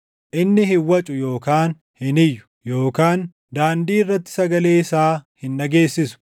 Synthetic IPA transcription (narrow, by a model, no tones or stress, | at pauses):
ʔɪnːɪhɪwːɐt͡ʃʼʊjo̞ːkaːn | hɪnɪjːʊ̥jo̞ːkaːn | d̪aːnd̪iːɪrːɐt̪ːɪ̥sɐɡɐle̞ːɪsaːhɪnːɐɡe̞ːsːɪsʊ̥